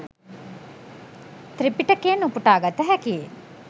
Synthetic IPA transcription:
t̪ɾipiʈəkeːnupuʈaːɡat̪əɦɛkie

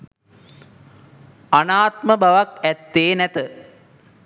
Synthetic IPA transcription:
anaːt̪məbaʋakɛt̪ːeːnɛt̪ə

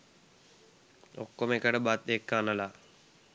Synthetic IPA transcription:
o̰kːoməekəʈəbat̪ekːaːnəla

